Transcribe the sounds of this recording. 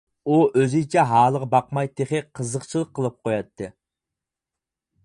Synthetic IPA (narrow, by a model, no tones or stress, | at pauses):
uøzit͡ʃʰɛɦɑːlˠəʁəbɑqmɑjt̪ʰeχɪqʰəzəqt͡ʃʰilˠəqʰːəlˠəp̚qʰojɑt̪ʰːɨ